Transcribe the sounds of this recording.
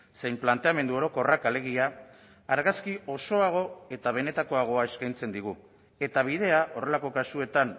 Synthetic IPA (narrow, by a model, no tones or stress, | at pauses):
se̞jmplant̪e̞ame̞nd̪uo̞ɾo̞ko̞rakale̞ɣ̞iaː | ɾɣaskio̞so̞aɣ̞o̞e̞t̪aβ̞e̞ne̞t̪ako̞aɣ̞o̞ae̞skajnt͡se̞nd̪iɣ̞u | e̞t̪aβ̞ið̞e̞aʔo̞re̞lako̞kasue̞t̪an